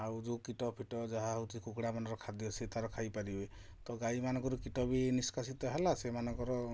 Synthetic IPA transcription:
awd͡ʒukiʈɔpʰiʈɔd͡ʒaɦaɦut̪ikukɽamanɔɾɔkʰad̪iɔsit̪aɾɔkʰajpaɾibe | t̪ɔɡajmanɔ̃ŋkɔɾukiʈɔbiniskasit̪ɔɦɛlasemanɔ̃ŋkɔɾɔ

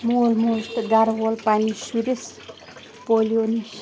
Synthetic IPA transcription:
molmost̪ɡaɾwolpanisiɾes | polioni

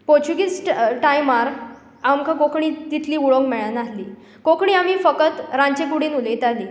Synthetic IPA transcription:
poɾt͡ɕuɡisʈʈajmaɾ | amkʰakokɳ̃iːt̪it̪ʰliːuɭokmɛɭanaɦliː | kokɳ̃iːamiːfəkət̪ɾaɲt͡ɕekuɽiːnulejt̪aliː

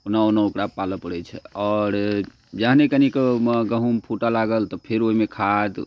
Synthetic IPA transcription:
onaonaokɾapaləpəɽɛt͡ʃʰɛ̰ɔːɾ | d͡ʒəɦnekənikeməɡəɦũmpʰuʈalaɡəlt̪ɔpʰeɾoimekʰad̪

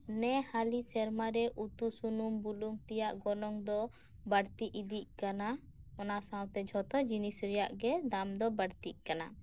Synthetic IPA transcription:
nɛhalisɛɾmaɾɛʔut̪usunumbuluŋt̪ɛjaʔɡɔnɔŋd̪ɔ | bəɽt̪iʔid̪iʔ̚kana | ɔnasawt̪ɛd͡ʒʱɔt̪ɔd͡ʒinisɾɛjaʔɡɛd̪amd̪ɔbəɽt̪iʔ̚kana

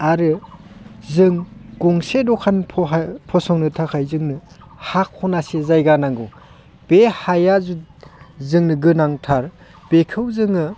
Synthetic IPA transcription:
aɾɯ | zɯŋɡ̥ɔŋsedɔkʰanpʰpʰɔsɔŋnɯtʰakʰajzɯŋnɯ | hak̚hɔnasezajɡanaŋɡu | b̥ehajazuzɯŋnɯɡɯnaŋtʰaɾ | b̥ekʰɯwzɯŋɯ

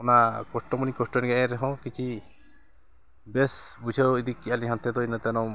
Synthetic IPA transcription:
ɔnakɔsʈɔmɔnikɔsʈɔnɡɛʔɛɾɛɦɔ̃kit͡ʃʰi | bɛsbut͡ʃʰəid̪ikːialiɦant̪ʰɛd̪ɔinət̪ɛnɔ

